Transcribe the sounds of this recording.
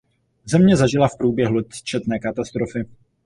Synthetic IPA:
zɛmɲɛzaʒɪlafpɾuːbjɛɦlut͡ʃɛt̪nɛːkat̪ast̪ɾo̞fɪ

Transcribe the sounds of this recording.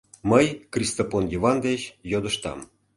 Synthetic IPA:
məjkrʲist̪ofonjivɑnd̪et͡ɕjod̪əʃt̪ɑ̰m

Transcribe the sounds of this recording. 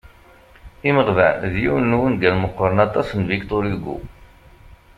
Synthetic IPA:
iməʁvæ̰nðjiwənːuwənɡælməqːəɾˤənɑt̪ˤɑsnvikt̪oɾiɡːṵ

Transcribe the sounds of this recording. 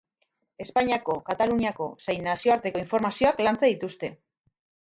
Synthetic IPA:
e̞spaɲiako̞kat̪aluniako̞sejnːasio̞aɾt̪e̞ko̞iɱfo̞ɾmasio̞aklant͡seðit̪ust̪e̞

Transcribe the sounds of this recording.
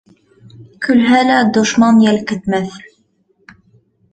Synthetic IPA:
kʰʊlɦælæd̪oʃmɑnjælkət̪mæθl

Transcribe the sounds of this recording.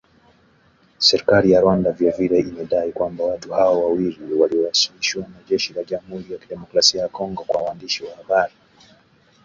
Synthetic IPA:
sɛɾikalijaɾwandavjaviɾɛimɛɗaikwambawatuhaɔwawiliwaliɔasiliʃiwanaʄɛʃilaʄamuhuɾijakiɗɛmɔkɾasiajakɔŋɡɔkwawaːndiʃiwahaɓaɾi

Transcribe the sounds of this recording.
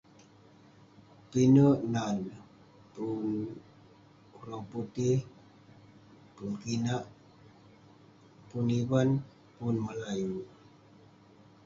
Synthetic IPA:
pinəʔnan | pun | urɔput̪ɪh | punkinaʔ | puniwan | punməlaju

